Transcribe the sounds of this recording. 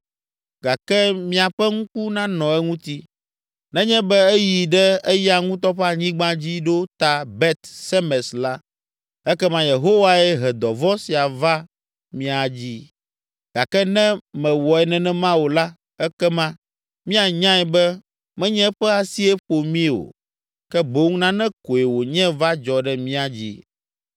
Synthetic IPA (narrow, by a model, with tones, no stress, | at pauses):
ɡ̥a˨kɛ˦mĩ˦a˨ɸɛ˦ŋũ˦ku˦nã˦nɔ̃˨ɛ˦ŋũ˦t̪i˦ | nɛ̃˦ɲɛ̃˦bɛ˦ɛ˦ji˨ɖɛ˦ɛ˦ja˨ŋũ˦t̪̬ɔ˦ɸa˦˨ɲĩ˦ɡ͡bã˦d͡ʑi˦ɖo˦t̪a˨bɛ˦t̪sɛ˦mɛ˨sla˦ | ɛ˦kɛ˦mã˦je˨ɦo˦wa˦ɛ˦ɦɛ˨d̪ɔ˨vɔ˦si˨a˨va˦ | mĩ˦a˨d͡ʑi˦ | ɡ̥a˨kɛ˦nɛ̃˦mɛ̃˨wɔ˨ɛ˨nɛ̃˨nɛ̃˦mã˦wo˨la˦ | ɛ˦kɛ˦mã˦ | mĩ˦a˨ɲã˦ɛ˨bɛ˦ | mɛ̃˦ɲɛ̃˦ɸɛ˦a˨si˦ɛ˦ɸo˨mĩ˦o̰˨ | kɛ˦bo˦ŋ˦nã˦nɛ̃˦ko˨e˨wo˨ɲɛ̃˦va˦d͡ʒɔ˨ɖɛ˦mĩ˦a˨d͡ʑḭ˦